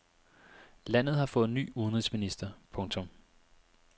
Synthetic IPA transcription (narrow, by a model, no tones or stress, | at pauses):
læn̰ð̞̩ˠhɑ̈fɔ̽ːð̩ˠny̰ːuðn̩ʁisminisd̥ɐpʰɔ̽ŋt͡sʰɔ̽m